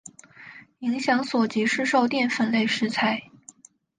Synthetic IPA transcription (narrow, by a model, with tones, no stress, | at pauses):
i˧˥ŋɕjɑ˧˥ŋswɔ˨˩t͡ɕi˧˥ʂɻ̩˥˧ʂo˥˧ʊt̪jɛ˥˧nfə˧˥nle˥˩ɪʂɻ̩˧˥t͡sʰa˧˥ɪ